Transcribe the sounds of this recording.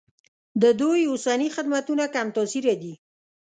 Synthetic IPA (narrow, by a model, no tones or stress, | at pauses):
d̪əd̪ujʊsanixɪd̪mat̪unakamt̪ɔsiɾad̪i